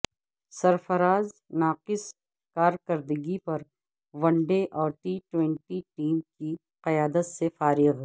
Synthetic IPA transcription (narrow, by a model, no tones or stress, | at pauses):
sɐɾfɐɾaːznaːqɪs | kaːɾkɐɾd̪əɡipɐɾ | ʋɐ̃ɳɖeʔɔːɾʈiːʈwɛ̃ɳʈiʈiːmki | qɐjaːd̪ət̪sefaːɾɪɣ